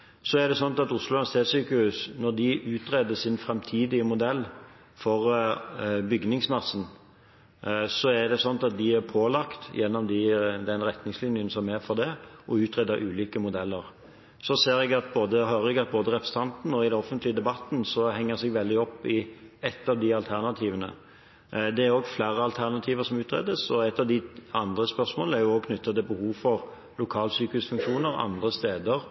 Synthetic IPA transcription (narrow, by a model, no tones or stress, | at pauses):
sɔæɾd̪ɛsɔnt̪ɑt̪ʊslʊlɑnst̪ʰeːsyːkəhʉːsnɔɾd̪ɪʔʉːt̪ɾeːd̪əsɪnfɾɛmt̪ʰiːd̪ɪəmʊd̪ɛlː | fɔɾ | bʏɡnɪŋsmɑsːn̩ | sɔæd̪ɛsɔnɑt̪ɑt̪̚d̪ɪæɾpʰoːlɑkt̪jɛnːɔmd̪ɪd̪ɛnɾɛt̪nɪŋslɪnjənsɔmæɾfɔɾd̪ɛʔɔʉːt̪ɾeːd̪əɾʔʉːliːkəmʊd̪ɛlːəɾ | sɔseːɾɛɡɑt̪̚boːd̪əɦœɾɛɡɑt̪̚boːd̪əɾɛpʰɾəsə̥n̩ɑnt̪n̩ɔɪd̪ɛnɔfənt̪lɪəd̪ɛbɑt̪ːn̩sɔhɛŋːəsɛɡʋɛld̪ɪɔpːɪɛt̪ːɑʋd̪ɪɑlt̪ʰæʁnɑt̪ʰiːʋənə̰ | d̪ɛæɾoːɡflæːɾəɑlt̪ʰæʁnɑt̪ʰiːʋəɾsɔmʉːt̪ʁɛ̰d̪əsɔɛt̪ːɑʋd̪ɪɑnd̪ɾəspœɾsmoːl̩æɾjʊoːɡ̚kʰnʏt̪ːɑt̪ɪlbəhuːʋfɔʁ | lʊkʰɑːlsyːkəʉsfʉŋkʂuːnəɾɑ̰nd̪ɾəst̪eːd̪əɾ